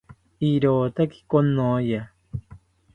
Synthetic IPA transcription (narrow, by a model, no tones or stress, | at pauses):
iɾoːt̪aki̥konoja